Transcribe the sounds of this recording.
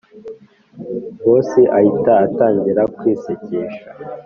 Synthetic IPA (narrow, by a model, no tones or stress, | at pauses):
woːsiʔahitaːtaːɲɟiɾakwiːsiciːʃa